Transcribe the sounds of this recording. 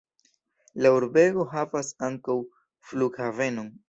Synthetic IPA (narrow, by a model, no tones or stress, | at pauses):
lauɾbe̞ɡo̞ɦavasaŋkaw | fluɡhave̞no̞n